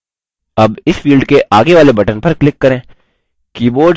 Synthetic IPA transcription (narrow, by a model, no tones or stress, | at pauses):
ɐbɪsfiːlɖkeʔaːɡeʋaːlebɐʈənpɐɾklɪkːɐɾẽː | kiːboːɾɖ